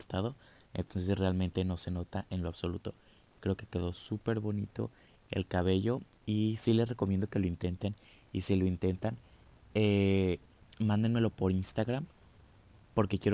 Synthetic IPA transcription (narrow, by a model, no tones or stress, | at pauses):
ɾt̪aðo̞ent̪onse̞srealmẽnt̪e̞no̞se̞no̞t̪aʔe̞nlo̞aβso̞lut̪o̞ | kɾe̞oke̞̥ke̞ðo̞supe̞ɾβo̞nḭt̪o̞̰ | e̞̰lkaβe̞ʝo̞isile̞sre̞komjend̪o̞ke̞lo̞int̪e̞nt̪en | ḭsilo̞int̪e̞nt̪an | e | mãnd̪enme̞lo̞po̞ɾinst̪aɣɾam | po̞ɾkekje̞ɾ